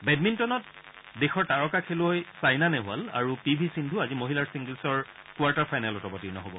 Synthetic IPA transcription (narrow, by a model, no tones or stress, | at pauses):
bɛd̚mintɔnɔt̚ | dexɔɹtaɹɔkakʰelojsajnanɛɦʊa̰la̰ɹupibʱisindʱuazimoɦilaɹsiŋɡlsɔɹ | kʊaɹtaɹpʰajnalɔtɔbɔtiɹnɔ̰ɦobɔ̰